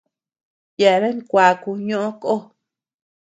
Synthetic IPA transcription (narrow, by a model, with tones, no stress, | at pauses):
je˨˧ɾe˦ŋkʷa˨ku˧ɲõ˦ʔõ˦ko˦